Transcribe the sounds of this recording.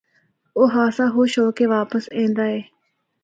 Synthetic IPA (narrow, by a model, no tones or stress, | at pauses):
oːɦaːsaːɦoːʃoːkeʋaːpəsẽːnd̪aːɛː